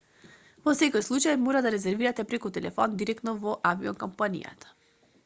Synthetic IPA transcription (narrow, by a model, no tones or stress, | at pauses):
vɔsɛkojslˠut͡ʃajmɔɾad̪aɾɛzɛɾviɾat̪ɛpɾɛkut̪ɛlɛ̰fɔnd̪iɾɛkt̪nɔvɔʔaviɔ̰ŋkɔmpanḭja̰t̪ḁ